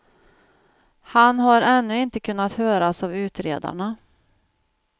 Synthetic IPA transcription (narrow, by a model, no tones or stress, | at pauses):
hanɦaɾɛnːɵɪnt̪əkʰɵnːat̪høːɾasavʉ̟ːt̪ɾḛːd̪a̰ɳa